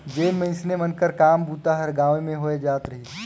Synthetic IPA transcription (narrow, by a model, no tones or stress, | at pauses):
d͡ʒeːmẽɪ̃snemənkəɾkaːmbʱuːt̪aɦɐɾɡãːʋemẽɦoːed͡ʒaːt̪ɾɐɦiː